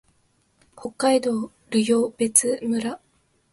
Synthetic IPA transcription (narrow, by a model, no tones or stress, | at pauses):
ho̞kːaid̪o̞ː | ɾɯjo̞ːb̥e̞t͡sɨmɯ̟ɾa